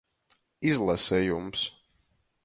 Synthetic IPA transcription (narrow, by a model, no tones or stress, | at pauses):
izlˠasɛjums